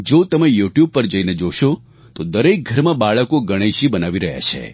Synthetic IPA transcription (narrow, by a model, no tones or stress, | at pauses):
d͡ʒot̪əmejuʈjub̚pəɾd͡ʒəined͡ʒoʃo | t̪od̪əɾek̚ɡʱəɾmãbaɭəkoɡəɽ̃eʃibənaʋiɾəɦja̰t͡ʃʰḛ